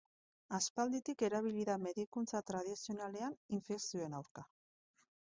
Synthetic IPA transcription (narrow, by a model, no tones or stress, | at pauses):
aspald̪it̪ike̞ɾaβ̞iliðame̞ðikunt͡sat̪ɾað̞isio̞nale̞aniɱfeksioenawɾka